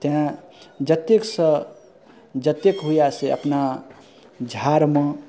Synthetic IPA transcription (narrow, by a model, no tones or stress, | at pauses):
t̪eɦã | d͡ʒət̪eksə | d͡ʒət̪ekɦujaseəpna | d͡ʒʱaɾmẽ